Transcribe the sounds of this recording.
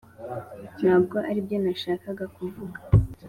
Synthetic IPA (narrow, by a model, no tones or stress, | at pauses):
n̥haːbɡo̞ʔaɾibjo̞naʃaːkaɡakuvuɡḁ